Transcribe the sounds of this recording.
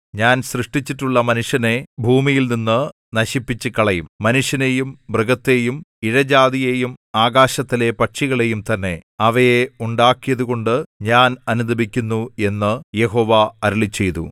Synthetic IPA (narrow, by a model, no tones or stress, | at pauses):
ɲaːnsrɨʂʈit͡ɕːiʈːuɭːɐmɐnuʂjɐne̞bʱuːmijilninːɨ | nɐɕipːit͡ɕːɨkɐɭɐjumːɐnuʂjɐnejumbrɨɡɐt̪ːe̞jumiɻɐd͡ʑaːðijejumaːɡaːɕɐt̪ːile̞pɐʈʂiɣɐɭe̞jumt̪ɐnːe̞ɐʋɐjeuɳɖaːkːijɐðuɣo̞ɳɖɨɲaːnɐnud̪ʱɐbikʲːunːue̞nːɨje̞ɦo̞ːʋɐɐɾuɭit͡ɕːe̞jt̪ṵ